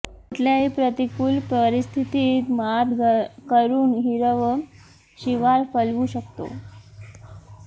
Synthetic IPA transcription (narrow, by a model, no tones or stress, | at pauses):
it̪ljaɦipɾət̪ikuːlpəɾist̪ʰit̪iːt̪mad̪kəɾuːnɦiɾəʋə | ɕiʋaɾfəlʋuɕəkt̪o̰